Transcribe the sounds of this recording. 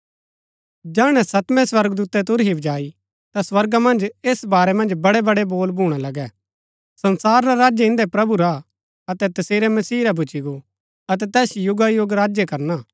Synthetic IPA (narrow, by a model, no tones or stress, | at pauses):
d͡ʒaːɽ̃ɛ̃sɐt̪mɛ̃swɐɾɡd̪uːt̪ɛt̪ʊɾɦiʋd͡ʒaːi | t̪aswɐɾɡamɐ̃nd͡ʒeːsbaːɾɛmɐ̃nd͡ʒbɐɽɛbɐɽeboːlbʱuːɽ̃alɐɡɛ | sɐ̃nsaːɾːaɾaːd͡ʒeɪ̃nd̪ɛpɾɐbuɾa | ɐt̪ɛt̪ɐseːɾɛmɐsiːɾabʱʊt͡ʃiɡo | ɐt̪̬ɛt̪ɛːsjʊɡajoɡɾaːd͡ʒjekɐɾnaː